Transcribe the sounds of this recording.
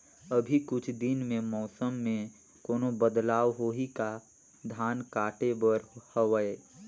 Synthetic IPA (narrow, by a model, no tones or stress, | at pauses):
əbʱikʊt͡ʃʰd̪ɪnmẽmɔːsəmːẽ | koːnobəd̪laːwɦoːɦika | d̪ʱaːnkaːʈebəɾhəʋəe